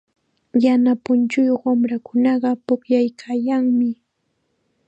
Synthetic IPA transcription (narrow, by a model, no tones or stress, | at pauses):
janapʊnt͡ʃʊjoχwamɾakʊnɑɢɑpʊkjajkʰaːjaŋmɪ